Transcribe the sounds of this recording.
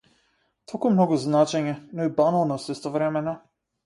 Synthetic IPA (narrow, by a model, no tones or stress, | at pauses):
t̪ʰolˠkumnɔɡuznat͡ʃɛɲɛnɔibanalˠnɔsist̪ɔvɾɛmɛnɔ